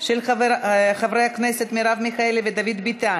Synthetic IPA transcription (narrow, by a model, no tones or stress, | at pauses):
ʃel | χavɾejakneset̪miɾavmixaelved̪avid̪bit̪a